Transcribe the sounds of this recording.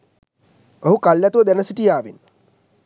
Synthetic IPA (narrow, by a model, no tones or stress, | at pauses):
oɦukɐljat̪uʋɐd̪ɛnɐsiʈijaːʋin